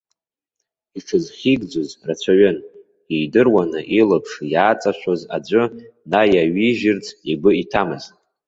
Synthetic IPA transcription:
iʈ͡ʂʰɨzχʲiɡd͡zozrat͡ɕʷʰaɥɪn | ijdɨrwanɨʔilapʰʂjaːt͡sʼaʃʷoza̰d͡ʒʷʼʊnajaɥiʒɪrt͡sʰiɡʷʊitʰamɨz

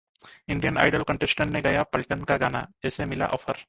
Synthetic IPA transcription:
ɪɳɖijəna̰ːjɖəlkə̃ɳʈesʈənːeɡɐjapɐlʈənkaɡaːna̰ɛːsemɪla̰ʔɔfʰəɾ

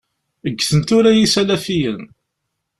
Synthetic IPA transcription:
əɡːθənt̪uɾæjisælæfijən

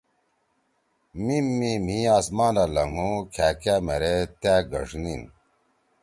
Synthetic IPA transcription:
mimːim̤ĩaːsmaːnalɐŋɡũkʰæːkaːmeɾet̪æːɡɐʂnḭn

